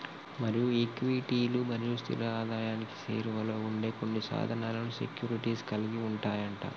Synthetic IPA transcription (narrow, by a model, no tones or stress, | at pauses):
mɐɾijuekʋiʈiːlumɐɾijust̪ʰḭɾɐaːd̪aːjaːniki̥sḛːɾuʋɐlo̞ːuɳɖe̞ːko̞nːisa̰ːd̪ʱɐnaːlɐnusḛkjuːɾiʈiːskɐliɡiuɳʈaːjɐɳʈa̰ː